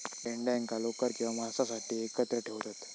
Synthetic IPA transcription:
ɖeɳɖaŋkalokəɾkĩw̃ʋamasasaʈiːekət̪ɾəʈʰeʋt̪at̪

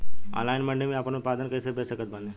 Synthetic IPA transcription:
a̰ːnlaːɪnmɐ̃ɳɖemẽɐpənʊt̪paːd̪ənkɐisepɛːsəkət̪̚bɐ̃nd̪ẽ

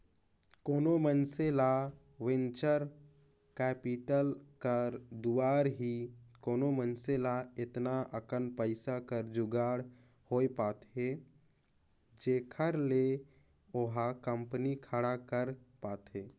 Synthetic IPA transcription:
koːnomənsela | wɪnt͡ʃəɾ | kɛːpiʈəlkəɾd̪uwaːɾɦikoːnomənselaɪt̪naʔəkənpəɪsakəɾd͡ʒʊɡaːɽ | hoːepaːt̪ɦe | d͡ʒeːkʰəɾle | oɦakəmpnikʰəɽakəɾpaːt̪ɦeː

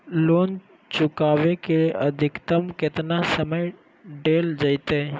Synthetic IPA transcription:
loːn | t͡ʃʊkaːʋekeəd̪ʱɪkt̪əmkɪt̪nasəməj | ɖeːld͡ʒəɪt̪eː

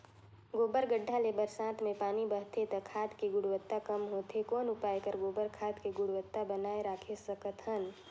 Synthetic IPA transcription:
ɡoːbəɾɡəɖʱːalebəɾsãːt̪ʰmẽpaːnibəɦt̪ʰet̪ɐkʰaːt̪kiɡʊɽwət̪ːakəmɦoːt̪ekɔːnʊpaːekəɾɡoːbəɾkʰaːt̪keɡʊɽwət̪ːabənaːeɾaːkʰesəkət̪ɦən

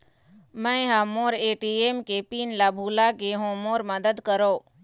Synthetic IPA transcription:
mə̃ẽɦãmoːɾeːʈieːmkepiːnlabʱulakeɦõmoːɾməd̪əd̪kəɾoː

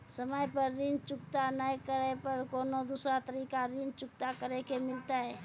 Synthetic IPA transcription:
səməjpəɾːɪnt͡ʃʊkt̪anəkəɾepəɾkoːnod̪uːsɾat̪əɾiːkaɾɪnt͡ʃʊk̚t̪akəɾekemɪlt̪aɦɛː

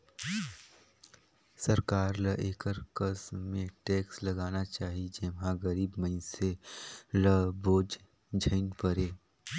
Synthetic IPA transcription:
sɐɾkaːɾləʔeːkəɾkəsmẽʈeːkslɐɡaːnat͡ʃaːɦid͡ʒeʋɦãɡɐɾiːbməɪnseləboːd͡ʒ | d͡ʒʱə̃ɪŋpəɾeː

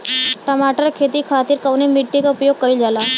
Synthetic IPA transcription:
ʈəmaʈəɾkʰet̪iːkʰat̪iːɾkəʋnemiʈːikupjoɡ̚kəild͡zala

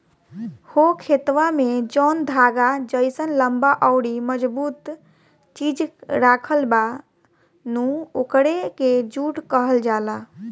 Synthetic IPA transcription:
hokʰet̪ʋamed͡ʒɔnd̪ʱaɡad͡ʒəɪsənləmbaʔɔwɽiməd͡ʒbut̪ | t͡ʃid͡ʒɾakʰəlba | nũokɽeked͡ʒuʈkəɦəld͡ʒala

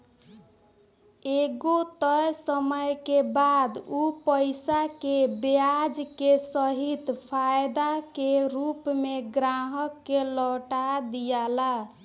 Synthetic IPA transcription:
eɡot̪əjsəməjkebad̪upəjsakebad͡ʒkesəɦit̪pʰajd̪akeɾupmeɡɾaɦəkːeləʈad̪ijala

